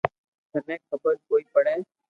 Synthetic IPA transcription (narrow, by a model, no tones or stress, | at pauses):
tənẽːkkʰəbəɾkoːiːpəɽẽː